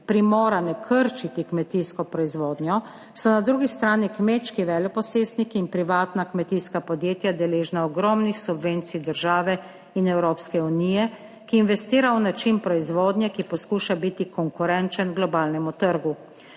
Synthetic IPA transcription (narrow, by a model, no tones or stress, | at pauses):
pɾimɔːɾanɛkʰəɾt͡ʃit̪ikmɛt̪iːskɔpɾɔizʋoːd̪njɔ | sɔnad̪ɾuɡist̪ɾaːnikmeːtt͡ʃkiʋɛːljɔpɔseːst̪nikiːnpɾiʋaːt̪nakmɛt̪iskapɔd̪jeːt̪jad̪ɛleːʒnaɔɡɾɔːmnixsubʋeːnt̪sijd̪əɾʒaːʋɛ | inɛwɾoːpskɛuniːjɛ | kiːnʋɛst̪iːɾawnat͡ʃinpɾɔizʋoːd̪njɛkipɔskuːʃabit̪ikɔŋkuɾɛnt͡ʃənɡlɔbaːlnɛmut̪əɾɡu